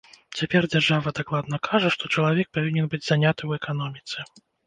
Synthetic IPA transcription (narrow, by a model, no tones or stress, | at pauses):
t͡sʲapʲɛrd͡zʲarʐavɐd̪aklˠad̪nɐkʰaʐɐʂt̪ɔt͡ʂɐlˠavʲɛk̚pavʲinʲɛnbɨd͡zʲzanʲat̪ɨwɛkanɔmʲit̪sɛ